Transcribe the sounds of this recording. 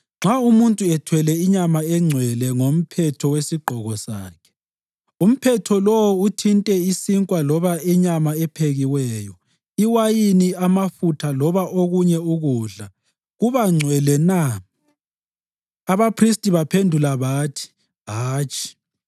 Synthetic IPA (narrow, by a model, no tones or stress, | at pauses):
ŋ͡ǁʱaumuntʼuɛtʰwɛlɛiɲamaɛŋ͡ǀʱwɛlɛŋom̩pʰɛtʰɔwesiɡ͡ǃʱɔɣɔsaːkʰɛ̥ | um̩pʰɛtʰɔlowɔutʰintʼɛisiŋkʼwalɔβaɛɲamaɛpʰeɣiwɛːjɔ | iwajiniamafutʰalɔβaʔoɣuɲɛuɣuːɮa | ɣuβaŋ͡ǀʱwɛlɛna | aβapʰristʼiβapʰendʱulaβaːtʰi̥ | ɦaːt͡ʃʼi̥